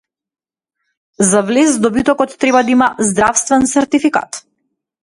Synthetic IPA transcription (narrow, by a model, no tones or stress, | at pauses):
zavlɛzd̪ɔbit̪ɔkɔt̪ːɾɛbad̪aimazd̪ɾafst̪vɛnsɛɾt̪ifika̰t̪